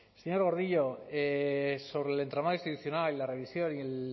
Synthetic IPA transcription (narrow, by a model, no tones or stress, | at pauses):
seɲo̞ɾɣ̞o̞ɾðiʎoeso̞βɾelent̪ɾamaðoist̪it̪uθjonalilare̞βisjo̞niel